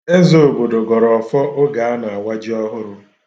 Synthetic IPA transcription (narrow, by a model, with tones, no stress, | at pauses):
e˦zo˨o˨bo˨do˨ɡɔ˨ɾɔ˨ɔ˨fɔ˦ʔo˦ɡa˨a˦na˨a˨wa˦d͡ʒi˦ɔ˦ɦʊ˦ɾʊ˦